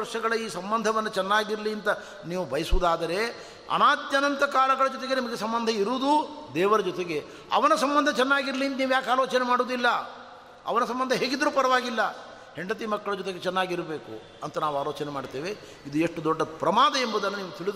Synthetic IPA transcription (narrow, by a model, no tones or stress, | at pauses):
ɐɾʂɐɡɐɭɐiːsɐmbɐnd̪ʱɐʋɐnːɐt͡ʃɛnːaːɡiɾɐliɐnt̪ɐ | niːʋubʱɐjɐsud̪aːd̪ɐɾe̞ | ɐ̰naːd̪jɐnɐnt̪ɐkaːlɐɡɐɭɐd͡ʒɔt̪eɡe̞nimɐɡesɐmbɐnd̪ʱɐiɾuːd̪ud̪ɛːʋɐɾɐd͡ʒɔt̪eɡe̞ | ɐ̰ʋɐnɐsɐmbɐnd̪ʱɐt͡ʃɛnːaːɡiɾɐliɐnt̪ɐniːʋujaːkaːloːt͡ʃɐnemaːɽuːd̪ilːɐ | ɐ̰ʋɐnɐsɐmbɐnd̪ʱɐɦeːɡid̪ɾuːpɐɾɐʋaːɡilːɐ | heɳɖɐt̪̬imɐkːɐɭɐd͡ʒɔt̪eɡet͡ʃɛnːaːɡiɾɐbeːkṵ | ɐnt̪ɐnaːʋaːloːt͡ʃɐnemaːɽt̪eːʋe̞ | id̪ueʂʈud̪ɔɖːɐpɾɐmaːd̪ɐembud̪ɐnːɐniːʋut̪ʰiɭid̪